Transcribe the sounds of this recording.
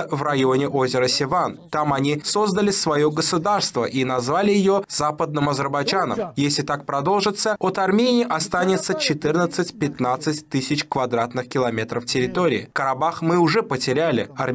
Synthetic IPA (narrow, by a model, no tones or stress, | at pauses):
əvrɐjonʲɪʔo̞zʲɪɾəsʲɪvant̪amɐnʲiso̞zd̪əlʲɪsvɐjoɡəsʊd̪arst̪vəʔinɐzvalʲɪjɪjo̞zapəd̪̚nɨmɐzʲərbɐjd͡ʒanə̰mjesʲlʲɪt̪ak̚pɾɐd̪o̞lˠʐɨt̪sːəot̪ɐrmʲenʲɪːʔɐst̪anʲɪt̪sːət͡ɕɪt̪ɨrnət̪sɨtʲpʲɪt̪nat̪sɨtʲt̪ɨsʲɪt͡ɕkvɐd̪ɾat̪nɨxkʲɪlˠɐmʲe̞t̪ɾəftʲɪɾʲɪt̪o̞ɾʲɪːɪkəɾabaxmɨʊʐɛpətʲɪɾʲælʲɪɐrʲ